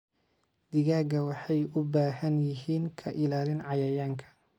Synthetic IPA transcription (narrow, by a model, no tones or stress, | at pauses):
d̪ɪɣaːɡɐwɑħɑjʊbaːhɐnjɪɦiːŋkʰɐʔɪlaːlɪnʕɑjɐjaːŋkʰɐ̥